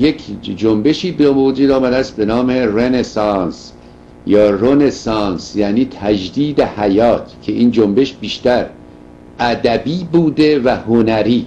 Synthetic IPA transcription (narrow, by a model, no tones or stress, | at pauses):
jekʰd͡ʒombe̞ʃiːbemod͡ʒuːd̪ɒːmæd̪æst̪̚be̞nɑːmerenesɑːns | jɒːrone̞sɑːnsjæːniːt̪ʰæd͡ʒd̪iːd̪ehæjɒːt̪ʰcʰe̞ʔiːnd͡ʒombe̞ʃbiːʃt̪æɾ | ʔæd̪æbiːbuːd̪e̞væhonæɾiː